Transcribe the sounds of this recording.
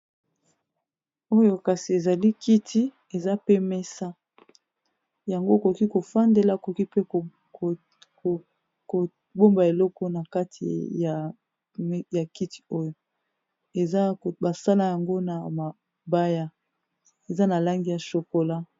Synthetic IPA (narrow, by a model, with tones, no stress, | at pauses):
o˦jo˨ka˨si˨e˨za˨li˦ki˦tʰi˦ | e˨za˦pe˦mɛ˦sa˦ | ja˨ŋɡo˦e˨ko˨ki˦ko˨fa˦nde˨la˦˨ko˨ki˦pe˦˨ | ko˨ | bo˦mba˨e˨lɔ˦kɔ˦na˨ka˦tʰi˨ja˨˦ | ja˨ki˦ti̥˨o˦jo˨ | e˨za˦˨ba˨sa˦la˦ja˨ŋɡo˦na˨ma˨ | ba˦ja˦ | e˨za˦na˨la˦ŋɡi˦ja˨ʃo˨ko˨la˦